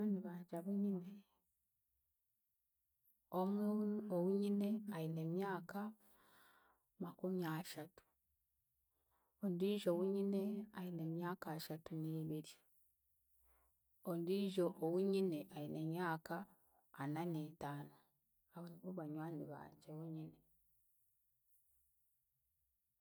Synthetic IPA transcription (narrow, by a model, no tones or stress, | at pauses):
aniβaːɲd͡ʒaβuɲine | omuowuɲine̞ajinemjaːka | makumiaːʃatu̥ | ondiːʒowuɲineajinemjaːkaʃatuniːβiɾi | ondiʒo̞ʔːwuɲineʔajinemɲaːkaː | nanetaːno | aβoniβuβaɲwaːniβa̰ːɲɟewuɲine